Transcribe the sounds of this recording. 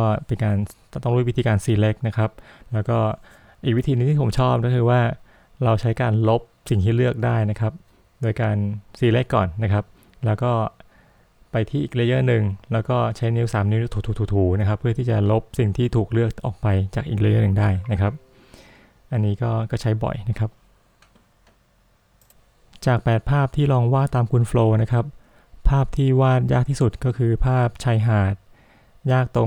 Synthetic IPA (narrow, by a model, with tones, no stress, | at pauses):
ɔː˥˩pe˧nkaː˧n | t̪ɔ˥˩ŋɾ̚wi˦˥t̪ʰiː˧kaː˧nsiː˧le˦˥k̚na˦˥kʰɾa˦˥p̚lɛː˦˥wkɔː˥˩ | ʔiː˨˩k̚wi˦˥t̪ʰiː˧nɯ˧˥t̪ʰiː˥˩pʰo˩˦mt͡ɕʰɔː˥˩p̚kɔː˥˩kʰɯː˧waː˥˩ | ɾa˧wt͡ɕʰa˦˥jkaː˧nlo˦˥p̚si˨˩ŋt̪ʰiː˥˩lɯ˥˩ək̚daː˥˩jna˦˥kʰa˦˥p̚ | doː˧jkaː˧nsiː˧le˦˥kːɔ̰ː˨˩nːa˦˥kʰa˦˥p̚ | lɛː˦˥wkɔː˥˩ | pa˧jt̪ʰiː˥˩ʔiː˨˩k̚le˦˧˥jaː˥˩nɯ˨˧ŋlɛː˦˥wkɔː˥˩t͡ɕʰa˦˥jni˦˥wsaː˩˦mni˦˥t̪ʰuː˨˩t̪ʰuː˨˩t̪ʰuː˨˩t̪ʰuː˩˦na˦˥kʰa˦˥pʰːɯ˥˩ət̪ʰiː˥˩t͡ɕa˨˩lo˦˥p̚si˨˩ŋt̪ʰiː˥˩t̪ʰuː˨˩k̚lɯ˥˩ək̚ʔɔ̰ː˨˩k̚pa˧jt͡ɕaː˨˩k̚ʔiː˨˩k̚la˧˥ja˦˥˨nɯ˨˧ŋdaː˥˩jna˦˥kʰɾa˦˥p̚ | ʔa˧nːiː˦˥kɔː˥˩kɔː˥˩t͡ɕʰa˦˥jbɔ̰˨˩jna˦˥kʰa˦˥p̚ | t͡ɕaː˨˩k̚pɛː˨˩t̪̚pʰaː˥˩p̚t̪ʰiː˥˩lɔː˧ŋwaː˥˩t̪aː˧mkʰu˧nfloː˧na˦˥kʰa˦˥p̚ | pʰːaː˥˩p̚t̪ʰiː˥˩waː˥˩t̪̚jaː˥˩kt̪ʰiː˥˩su˨˩t̪̚kɔː˥˩kʰɯː˧pʰaː˥˩p̚t͡ɕʰa˧˥jɦaː˨˩t̪̚ | jaː˥˩k̚t̪o˧